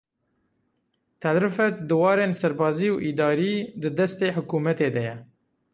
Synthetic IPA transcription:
t̪ʰæd̪ɾɨfɛt̪d̪ɨwɑːɾeːnsɛɾbɑːziːwʔiːd̪ɑːɾiːd̪ɨd̪ɛst̪eːħʊkuːmɛt̪eːd̪ɛjɛ

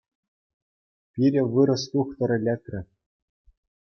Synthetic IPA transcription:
pʲiɾʲɘ̆ʋɯɾɤ̆st̪uxt̪ɤ̆ɾʲɘ̆lʲekʲrʲɘ̆

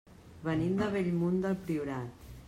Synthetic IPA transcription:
βənimd̪əβɛʎmund̪əlˠpɾiuɾat̪

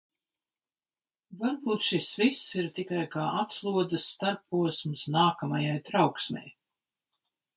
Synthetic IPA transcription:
vaɾbuːt̪ʃisvisːiɾt̪ikajkaːʔat̪slˠuɔd̪zɨsːt̪aɾpːuɔsmsnaːkamajajt̪ɾawksmʲɛ̰j

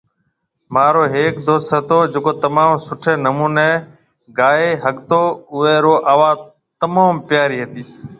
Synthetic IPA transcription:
maːɾoːɦeːkd̪oːsət̪oːd͡ʒeːkoːt̪əmaːmsʊʈʰeːnəmuːneː | ɡaːeːɦəɠt̪oːʊeːɾoːʔaːʋaː | t̪əmaːmpjaːɾiːɦet̪iː

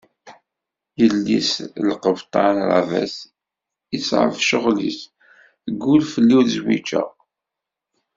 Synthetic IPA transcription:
jəlːislqəvt̪ˤɑnɾa̰væ̰s | isʕə̰fʃəʁlḭs | əɡːulfəlːiθzwḭt͡ʃːə̰

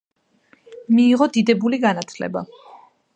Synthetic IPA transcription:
miːʁɔd̪id̪ɛbuliɡanat̪ʰlɛ̰ba̰

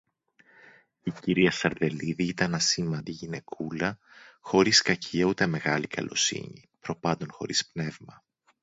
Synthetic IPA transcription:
iciɾiɐsɐɾðe̞liðiit̪ɐnɐsimɐnd̪iʝine̞kʰulɐxo̞ɾiskɐcʰiɐut̪e̞me̞ɣɐlikʰɐ̰lʔo̞̰sḭɲḭpɾo̞pɐnd̪o̞nxo̞̰ɾispne̞vmɐ

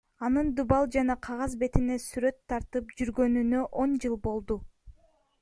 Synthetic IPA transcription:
ɑnɯnd̪ubɑlˠd͡ʒɑnɑqʰɑʁɑzbe̞t̪ine̞syɾø̞t̪ʰːɑɾt̪ɯpd͡ʒyɾɡø̞nynøʔo̞nd͡ʒɯlˠbo̞lˠd̪u

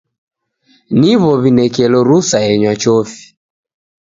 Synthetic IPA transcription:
niβɔβinɛkɛlɔɾusaɛɲwat͡ʃɔfi̥

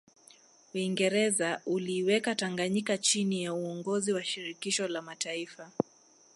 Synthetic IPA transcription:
uiŋɡɛɾɛzauliwɛkataŋɡaɲikat͡ʃinijauɔŋɡɔziwaʃiɾikiʃɔlamataifa

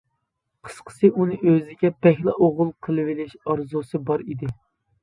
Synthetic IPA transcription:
qʰə̥sqʰə̥sɨʔunɨʔøzɪɡʲɛpɛhlˠɨ̰ʔoʁʊlˠqʰəlˠɨvɪlɪʃɑɾzusɨbɑɾid̪ɪ

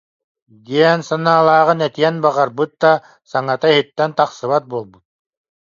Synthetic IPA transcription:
d̪iɛnsanaːlˠaːʁɯnɛt̪iɛnbaʁaɾbɯt̪̚d̪a | saŋat̪aiɦit̪ːɛnt̪aqsɯβat̪̚buɔlˠbut̪̚

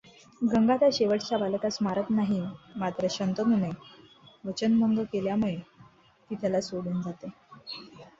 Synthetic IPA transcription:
ɡəŋɡat̪aɕeʋəʈt͡ɕabaləkasmaɾət̪naɦimat̪ɾəɕənt̪ənune | ʋət͡ɕənməŋɡəkeljamuɭe | t̪it̪ʰjalasoɽuːnd͡zat̪e

